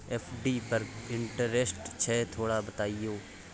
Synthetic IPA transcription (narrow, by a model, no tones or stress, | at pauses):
ɛːpʰɖiːpəɾɪ̃ɳʈəɾeːsʈt͡ʃʰɛːt̪ʰoːɽaːbət̪aːijoː